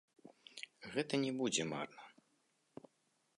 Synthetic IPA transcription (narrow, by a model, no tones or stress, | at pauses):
ɣɛt̪ɐnʲɛbud͡zʲɛma̰rnɐ